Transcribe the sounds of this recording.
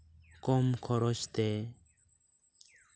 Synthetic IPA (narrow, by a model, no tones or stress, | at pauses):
komkʰɔɾoɕt̪e